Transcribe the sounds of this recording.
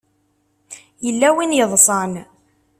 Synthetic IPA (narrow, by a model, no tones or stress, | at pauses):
jəlːæwinjəðˤsˤɑn